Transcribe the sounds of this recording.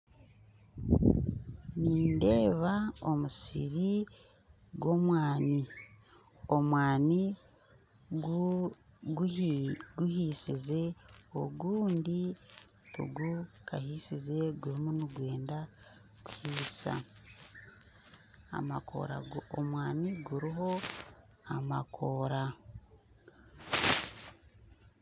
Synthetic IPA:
niːnde̞ːβaomusḭɾi | ɡwo̞mwaːni | o̞mwaːni | ɡ | ɡuhisize̞oɡuːndi | o̰ɡukahisize̞ɡuɾimunuɡwe̞ːnda | kuhiːsa̰ | a̰mako̰ɾa̰omwaːniɡuɾiɦo̞ | amakʰo̞ːɾa

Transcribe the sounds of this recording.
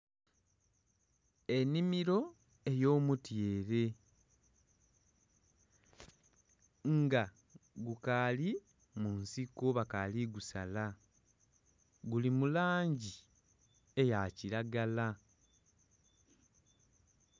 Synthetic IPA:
e̞nimiɾo̞ | e̞jo̞ːmutje̞ːɾe̞ | ŋɡa | ɡukali | munsikoβakaliɡusa̰la | ɡulimulaːɲɟi | e̞jaciɾaɡala

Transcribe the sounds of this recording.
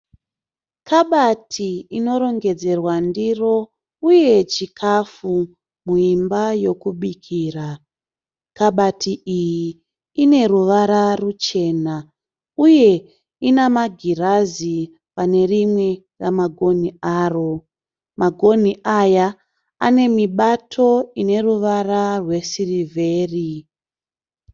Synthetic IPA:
kʰaɓatʰiino̞ɾo̞ŋɡe̞d͡ze̞rwandiro̞ | uje̞t͡ʃikʰafu | muimbajo̞kuɓikʰiːra | kaɓatʰiʔijiː | ne̞ruʋaɾarut͡ʃe̞ːna | uje̞ | inamaɡʱirazi | pane̞rimwe̞ | ramaɡʱo̞niaːro̞ | maɡʱo̞n̤iʔaja | ane̞miɓatʰo̞ine̞ruʋararwe̞sirivʱe̞ːri

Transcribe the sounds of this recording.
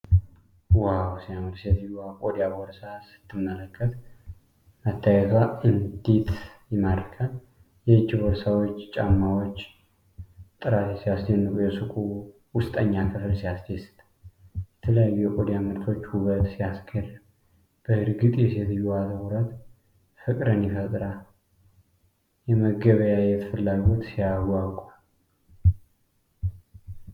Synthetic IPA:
wawsijamɨlset̪ʰɨjːuakʼod̪jaboɾsasɨ̥t̪ʰːɨmːələkʼːət̪ | mət̪ːajɛt̪ʰaɨnd̪it̪jɛmaɾkʰʼal | jɛt͡ʃːiboɾsawot͡ʃːt͡ʃʼamːawot͡ʃː | t̪ʼɨɾat̪jɛsijasd̪enːɨkʼujɛsɨkʼu | wʊst̪ʼəɲːakʰɨflsijasd̪esɨ̥t̪ʼ | jɛt̪ʰələjajːujɛkʼod̪jamɨɾt̪ʰo̞t͡ʃːhuɡət̪sijasɡʰərm | b̥əhɨɾɡɨt̪ʼjɛset̪ʰɨjuat̪ʰəwuɾət̪ | fɨkʼɾənjifət̪ʼɾa | jɛməɡəβəjajɛt̪ʰə̥fəlːaɡɡot̪sijaɡʷakʷʼal

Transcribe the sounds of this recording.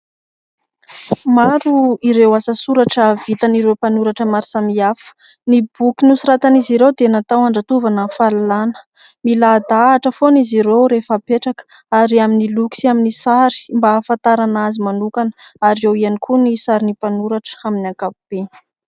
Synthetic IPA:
maɾuiɾewasəsuɾaʈ͡ʂəvit̪aniɾewpanuɾaʈ͡ʂəmaɾisamiafə̥ | nibukinusiɾat̪aniziɾewd̪enat̪awaɳɖ͡ʐat̪uvanəfalalanə̥ | milad̪aːʈ͡ʂəfoniziɾewɾefapeʈ͡ʂakə̥ | aɾiaminiluku̥saminisaɾi̥mbafant̪aɾanazimanukanə̥ | aɾiewianikunisaɾinipanuɾaʈ͡ʂə̥aminiakapub̥e

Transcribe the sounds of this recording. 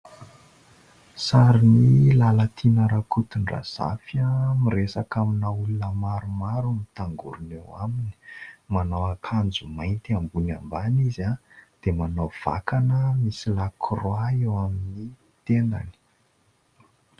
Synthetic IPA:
saɾinilalat̪ʰinəɾakut̪unra̰z̥a̰famiresakaminaulunəmaɾumaɾumit̪aŋɡṵɾunewamini̥manowakʰand͡zumajnt̪iambuna̰mbanizad̪̥emanov̥a̰kanəmisilakʰroaewamini | t̪end̪a̰ni̥

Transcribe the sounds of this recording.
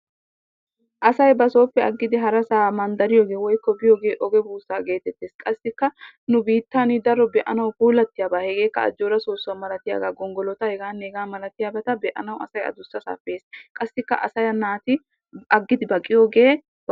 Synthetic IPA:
ʔɐsɐjbɐso̞ːpːɛɐɡːɪd̪ɪɦɐɾɐsaːmɐnd̪ɐɾɪjoːɡe̞ːwɔjkːɔbɪjoːɡe̞ːʔɔɡɛbuːsaːɡe̞ːt̪ɛt̪ːeːskʼɐsːɪkːɐ | nʊbiːt̪ːaːnɪd̪ɐɾːɔbɛʔɐnɐwkuːlɐt̪ːɪjaːbahɛɡe̞ːkːɐ̰ːd͡ʒːoːɾɐsoːsːɐmɐlɐt̪ɪja̰ːɡaːɡɔŋɡɔlɔt̪ɐhɛɡaːneːɡaːmɐlɐt̪ɪjaːbɛt̪ɐbɛʔɐ̰nɐwɐ̰sɐjɐ̰d̪ʊsːɐsa̰ːfeːskʼɐsːɪkːɐ̰ʔɐsɐjɐnaːt̪ɪ | ɐɡːɪd̪ɪbɐkʼːɪjoːɡe̞ː

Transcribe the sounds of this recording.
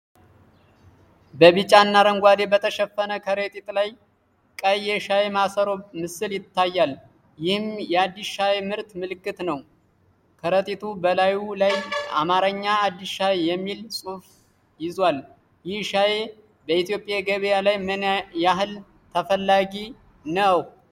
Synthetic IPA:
bəβɨt͡ʃʼanːaɾəŋɡʷad̪e̞bət̪ʰəʃɛfːənəkʰəɾet̪ʼit̪ʼlaj | kʼəjːɛʃajemasəɾomɨsɨljɪt̪ʰːajːal | jɪhɨmjɛad̪ːiʃajemɨɾt̪mɨlɨkʼːɨt̪nəw | kʰəɾət̪ʼit̪ʰubəlajulajʔa̰maɾəɲːaːd̪ːiʃajejɛmːilsʼuf | jɪzwal | jɪhʃaje | bəit̪jo̞pʼːjaɡəβjalajmjaɦɨl | t̪ʰəfəlːaɡi | nəw

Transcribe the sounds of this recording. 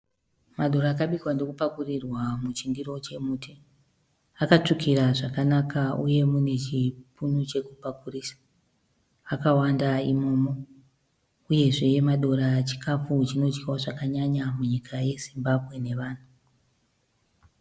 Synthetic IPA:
maɗo̞ɾaːkaɓikwando̞kupakurirwamut͡ʃindiro̞t͡ʃe̞muːtʰe | akat͡ʂikʰiɾaʐakanakaṵje̞mune̞t͡ʃipʰunut͡ʃe̞kupakurisḁ | akawandaimo̞ːmo̞ | uje̞ʐejemaɗo̞ɾat͡ʃi̥kʰafut͡ʃino̞t͡ʃkaoʐakaɲaɲamuɲikʰaje̞zimbabʱɣe̞ne̞ʋaːn̤u

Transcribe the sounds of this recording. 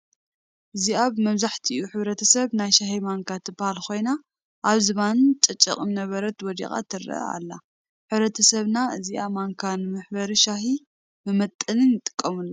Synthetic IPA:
ʔɨziaβmɐmzaħt̪ʰiʔiʔuħɨβɾɐt̪ʰɐsɐβnajʃaɦimaŋkʰat̪ʰɨbahalko̞jna | ʔaβzɨβant͡ʃʼɐt͡ʃʼːɐ̰kʼɨmnɐβɐɾɐt̪wɔd̪ḭxʼa̰t̪ʰɨɾɐ̰ʔɐ̰a̰lːa | ħɨβɾɐt̪ʰɐsɐβnaɨziʔamaŋkʰanɨmɨħbɐɾiʃaɦi | mɨmɐt̪ʼːɐnɨnjɪt̪ʼɨ̥kʼːɐmulː

